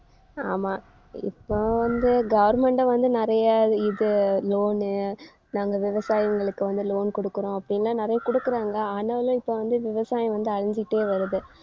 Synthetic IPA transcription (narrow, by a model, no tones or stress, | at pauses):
aːmaː | ɪ̰pːoːʋɐnd̪ɯɡɐʋɐɾmɛɳʈɐ̃ʋɐnd̪ɯnɪɾɐjɐɪðɯloːn | naːŋɡɐʋɪʋɐsaːjɐŋɡɐɭɯkːɯʋɐnd̪ɯloːnkɔɽɯkːɯɾõːɐpːɐɽɪnɐlːãːnɪɾɐjɐkɔɽɯkːɯɾaːŋɡɐaːnːɐʋɐlʊ̃ɪpːoːʋɐnd̪ɯʋɪʋɐsaːjɐ̃ʋɐnd̪ɯɐɻɪɲd͡ʒɪʈːeːʋɐɾɯðɯ